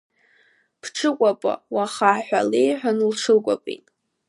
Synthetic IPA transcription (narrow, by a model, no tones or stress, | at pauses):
pʰʈ͡ʂʰɨkʷʼapʼa̰waχaħʷᶣalejħʷᶣanɨlʈ͡ʂʰɨkʷʼa̰pʼḭtʼ